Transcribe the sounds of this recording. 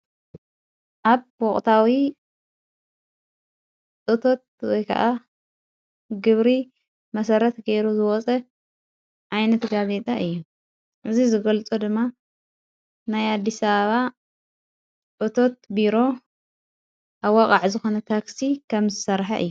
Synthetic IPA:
ʔaβwɔχʼt̪ʰawi | ʔʼɨt̪ʰo̞t̪̚wɔjkʰɐ̰ʔa | ɡɨβɾi | mɐsɐɾɐt̪ɡeɾuzɨwɔt͡sʼɐ | ʔajnɐt̪ɡazet̪ʼaʔɨjːu | ʔɨzizɨɡɐlt͡sʼud̪ɨmːa | najad̪ːisɐβɐβa | ʔʼɨt̪ʰo̞t̪̚biɾo̞ | ʔaβwakʼaʕzɨxo̞nɐt̪ʰaksikʰɐmzɨsɐɾħa̰ʔɨ̰jːu

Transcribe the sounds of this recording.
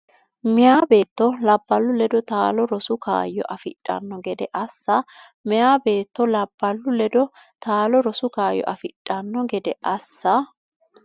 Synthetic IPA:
mɪjaːbe̞ːt̪ːɔlɐbːɐlːʊlɛd̪ɔt̪aːlɔɾɔsʊka̰ːjːɔʔɐfɪ̰tʼːɐ̰nːɔɡɛd̪ɛʔɐsːɐ | mɪjaːbe̞ːt̪ːɔlɐbːɐlːʊlɛd̪ɔ | t̪aːlɔɾɔsʊkaːjːɔ̰ʔɐfɪtʼːɐnːɔɡɛd̪ɛʔɐsːɐ

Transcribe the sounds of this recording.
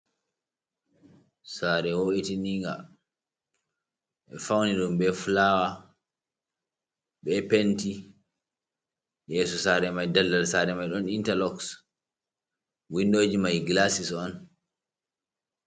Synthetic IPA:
saːɾɛwoʔitiniŋɡa̰ | ʔɛfawniɗumɓɛflawa | ɓɛpenti | jɛːsɔsaɾɛmajdalːalsaɾɛmajɗɔnintalɔks | windoːd͡ʒimajɡlasisɔn

